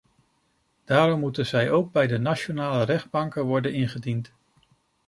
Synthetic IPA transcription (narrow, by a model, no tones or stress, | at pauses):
d̥aːɾɔmːutənzɛjowɡ̚bɛjdənat͡ʃonaːlərɛχd̚bɑŋkəʋɔɹdənɪnχədint